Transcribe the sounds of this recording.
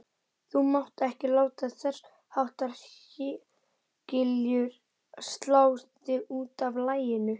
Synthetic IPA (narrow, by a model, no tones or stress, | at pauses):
θumawht̪ɛhcɪlaːwt̪aθɛr̥ | hawht̪aɾçɪ | cɪljʏɾ | st̪laːwst̪ɪuːt̪avlaːjɪnʏ